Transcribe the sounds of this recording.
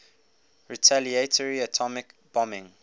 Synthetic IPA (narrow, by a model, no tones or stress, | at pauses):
ɹitʰalietʰəɹiatʰɔmɪkb̥ɔmɪ̃ŋ